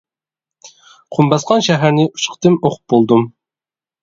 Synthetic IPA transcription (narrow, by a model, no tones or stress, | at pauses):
qʰumbɑsqʰɑnʃɛɦæɾnɪʔu̥ʃqʰə̥t̪ɨmoqʰʊ̥p̚bolˠd̪um